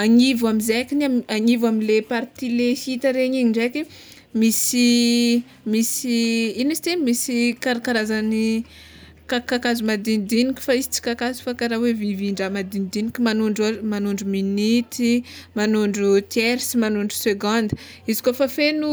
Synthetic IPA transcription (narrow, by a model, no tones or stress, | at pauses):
aŋivamizekiniamaɲivamilepaɾt̪ilehit̪aɾeɲiɲiɳɖ͡ʐekʲi | misi | misiinisit̪emisikaɾakaɾazani | kakakazumad̪inid̪inikʲu̥faizit͡si̥kakazu̥fakaɾaweviviɳɖ͡ʐamad̪inid̪inikʲimanuɳɖ͡ʐamanuɳɖ͡ʐuminit̪imanuɳɖ͡ʐut̪eɾsimanuɳɖ͡ʐu̥seɡɔ̃nd̪ə | izi̥kofafenu